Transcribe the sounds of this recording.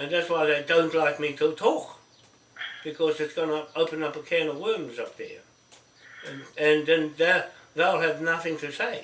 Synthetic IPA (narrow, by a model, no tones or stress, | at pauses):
ɨ̃nðætswaɪðeɪdõʊ̃nʔlaɪk̚miɾətʰɔk | b̥ɨkʰʌzɨtsɡ̥ʌnəoʊpɨ̃nʌpəkʰɛnəwɜ˞mzʌp̚ðə̰ | ɨ̃nðɨ̃nðəðeɪlˠɨvnʌθɪ̃ŋtʰɨseɪ